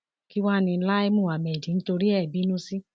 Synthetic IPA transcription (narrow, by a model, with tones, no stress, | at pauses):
ki˦wa˦˧nĩ˧˦la˦i˦mũ˦˨a˨mɛ˨d͡ʒĩ˨n̩˦to˧ɾi˦ɛ˦˨bi˨˦nũ˦si˦